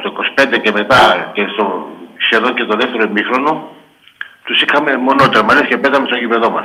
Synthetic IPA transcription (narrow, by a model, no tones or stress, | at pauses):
t̪okospet̪ekemet̪akesoʃeðoket̪oðeft̪eɾoemixɾono | t̪usikʰamemonot̪eɾmaliskepet̪amesojiβeðomas